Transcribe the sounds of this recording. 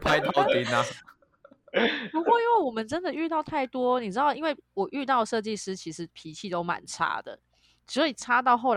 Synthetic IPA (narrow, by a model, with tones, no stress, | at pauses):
pʰa˥˦ɪt̪ʰɑ˥˩ʊt̪i˨˦na˨˩ | pu˧˥kwɔ˥˧i˥nwe˥˩ɪwɔ˨˩mə˦nʈ͡ʂə˦˥nd̪ə˨y˥˧t̪ɑ˥˧ʊt̪ʰa˥˩ɪt̪wɔ˥ni˨˩ʈ͡ʂɻ̩˥d̪ɑ˥˩ʊi˥nwe˥˩ɪwɔ˨˩ʔy˥˧t̪ɑ˥˩ʊʂɤ˥˧t͡ɕi˥˩ʂɻ̩˧˥t͡ɕʰi˧˥ʂɻ̩˧˥pʰi˧˥t͡ɕʰi˥˧t̪o˥ʊma̰˨˧˥nʈ͡ʂʰa̰˥d̪ə̰˨ | sɔ˧˦˥i˨˩ʈ͡ʂʰa˥t̪ɑ˥˧ʊxo˥˩ʊ